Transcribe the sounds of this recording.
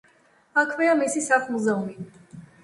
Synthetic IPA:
akʰvɛamisisaχmuzɛumi

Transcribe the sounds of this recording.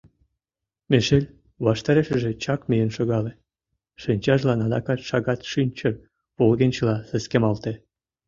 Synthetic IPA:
meʃelʲ | βɑʃt̪ɑɾeʃə̆ʒĕt͡ɕɑkmijenʃoɣɑlĕ | ʃinʲt͡ɕɑʒlɑnɑd̪ɑkɑt̪ʃɑɣɑt̪ʃynʲt͡ɕər | polɣenʲt͡ɕə̆lɑsə̆skemɑlt̪e

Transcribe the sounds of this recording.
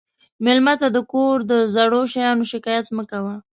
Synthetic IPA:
mɪlmat̪ad̪əkoɾd̪əzaɽoʃajɑnoʃɪkɑjat̪məkawa

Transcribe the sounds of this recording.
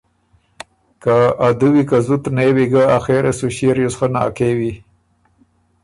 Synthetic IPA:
kaad̪uwikazut̪newiɡaaxeɾʔesuɕiɾjosxəna̰kewi

